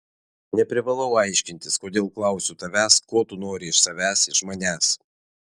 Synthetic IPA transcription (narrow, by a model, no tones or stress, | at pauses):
nʲɛpʲɾʲɪʋɐlˠɐʊɑˑɪʃʲkʲɪnʲt̪ʲɪskoːd̪ʲeːlˠklˠɑˑʊsʲʊt̪ɐʋʲæːskoːt̪ʊnoːɾʲɪɪʃsɐʋʲæːsɪʃmɐnʲæːs